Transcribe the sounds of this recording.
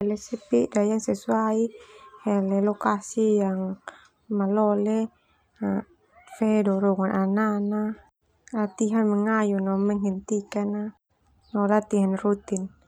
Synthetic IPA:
lɛsɛpiʔdajansɛsuaihɛlɛlɔkasijaŋ | malɔlɛ | a | fɛdɔɾɔŋanʔanana | at̪iɦanmɛŋajunɔmɛŋhɛnt̪ikana | nɔlat̪iɦanrut̪in

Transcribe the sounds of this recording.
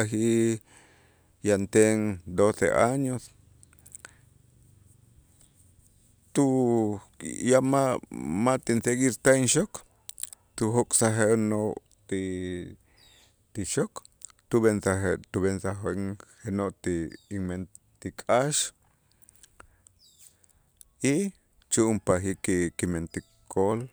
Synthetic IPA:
axi | jant̪eŋd̪osḛʔaɲos | t̪u | jamamat̪insekiɾt̪ainʃok | t̪uhokʼsaɦenoʔ | t̪i | t̪iʃok | t̪uβensaet̪uβensaɦeŋhenoʔt̪imen | t̪ikʼaʃ | i | t͡ʃuʔmpaxikikiment̪i | kʰol

